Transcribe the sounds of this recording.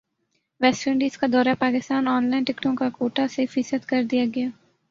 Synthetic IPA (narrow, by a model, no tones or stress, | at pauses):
ʋɛːsʈə̃ːɳɖiːskad̪ɔːɾapaːkɪst̪aːnɔːnlaːɪnʈɪkʈõkakoːʈasefɪsət̪kɐɾd̪ijaɡɪjaː